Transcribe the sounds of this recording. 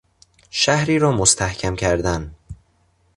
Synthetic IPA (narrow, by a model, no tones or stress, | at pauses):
ʃæhɾiːɾɒːmost̪ʰæhcʰæmcʰæɾd̪æn